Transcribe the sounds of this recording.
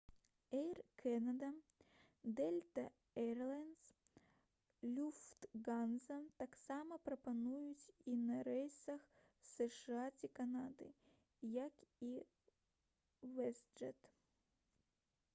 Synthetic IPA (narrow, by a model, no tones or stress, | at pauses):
ɛjrkʰɛnɐd̪ɐ | d̪ɛlʲt̪ɐ | ɛrlˠans | lʲuft̪ɡanzɐt̪aksamɐpɾɐpɐnujʊtʲinɐɾɛjsɐx | sɨʂɨatʲikɐnad̪ɨ̰ | jaki | vɛsd͡ʒɛt̪